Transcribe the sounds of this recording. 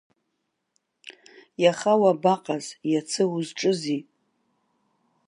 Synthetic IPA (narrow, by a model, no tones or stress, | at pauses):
jaχawabaqʼaz̥jat͡sʰɨwʊzʈ͡ʂʼɨzi